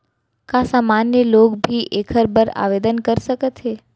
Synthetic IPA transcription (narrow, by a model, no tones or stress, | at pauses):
kasamanjəlokbʱiʔekʰəɾbəɾa̰ʋed̪ənkəɾʃəket̪ʰe